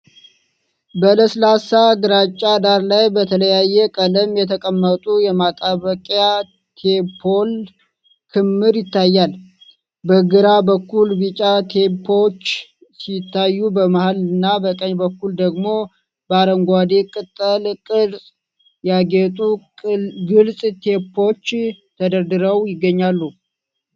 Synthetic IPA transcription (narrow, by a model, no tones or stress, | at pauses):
bələslasaɡɨɾat͡ʃʼːad̪aɾlajbət̪ʰələjajːɛkʼələmjɛt̪ʰəkʼəmːət̪ʼujɛmat̪ʼaβəkʼja | t̪ʰepʰol | kʰɨmːɨɾjɪt̪ʰːajːal | bəɡɨɾabəkʰːulbit͡ʃʼat̪ʰepʰo̞t͡ʃː | sit̪ʰːajːubəmahalɨnːabəkʼəɲbəkːuld̪əɡmo̞ | bəaɾəŋɡʷad̪ekʼɨt̪ʼːəlkʼɨɾsʼ | jaɡet̪ʼu | ɡɨlsʼt̪ʰepʰo̞t͡ʃːt̪ʰəd̪əɾd̪ɨɾəwjɪɡːəɲːalːu